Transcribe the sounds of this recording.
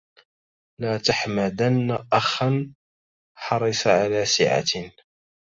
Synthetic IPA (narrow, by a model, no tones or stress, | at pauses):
laːt̪aħmad̪anːaʔaxan | ħɑɾˤɨsˤʕalaːsɪ̰ʕa̰